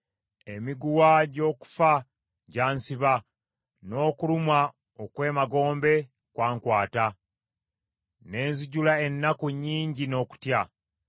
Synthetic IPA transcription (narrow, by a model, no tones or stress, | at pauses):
emiɡuwaɟo̞ːku̥fa | ɟaːnsiβa | no̞ːkulumwa | okwe̞ːmaɡo̞ːmbe̞ | kwaːŋkwaːta | ne̞ːnziɟulae̞nːakuɲːiːɲɟino̞ːku̥tja